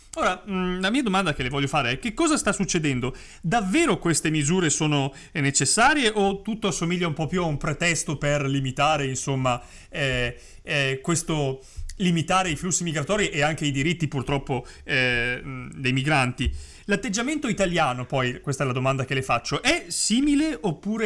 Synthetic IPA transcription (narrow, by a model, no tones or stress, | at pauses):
oːɾalamiːad̪omand̪ak̟elevɔʎːofaːɾeɛk̟ːekːɔːzast̪asːut͡ʃːed̪ɛnd̪o | d̪avːeːɾokwest̪emizuːɾesoːno | net͡ʃesːaːɾjeʔot̪ːut̪ːoasːomilʎːaumpɔpːjuaumpɾet̪ɛst̪operlimit̪aːɾeinsomːa | ɛ | kwest̪o | limit̪aːɾeiflusːimiɡɾat̪ɔːɾiʔeaŋk̟eijd̪iɾit̪ːipurt̪ɾɔpːo | d̪ejmiɡɾant̪i | lat̪ːed͡ʒːament̪oit̪aljaːnopɔjkwest̪aɛlad̪omand̪ak̟elefat͡ʃːoʔɛsiːmileʔopːuːɾe